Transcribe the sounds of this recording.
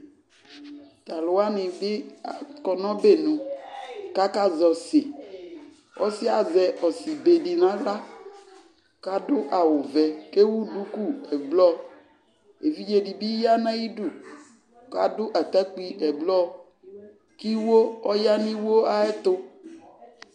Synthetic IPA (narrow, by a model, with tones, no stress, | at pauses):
t̪a˨lʊ˨a˦nɪ̃˨be˦a̰˨kɔ˨nɔ̃˦be˦˨nũ˨ka˦ka˦zɔ˨se˨ | wɔ̰˦sɪ˦a˨zɛ˨ʔɔ˨si˨be˨ɖi˨nã˦la˦ | ka˦dʊ˦ʔa˨wʊ˨vɛ˨ke˦wu˦ɖu˦ku˦ɛ˨blɔ˦ | e˨vi˦d͡ʒe˨ɖi˨bi˦ja˦nã˦ji˦ɖu˦˨ | ka̰˦dʊ˦ʔa˨t̪a˦k͡pi˦ɛ˨blɔ˦ | ki˦wo˦ɔ˦ja˦nĩ˦wo˦a˦ɛ˦t̪ʊ˦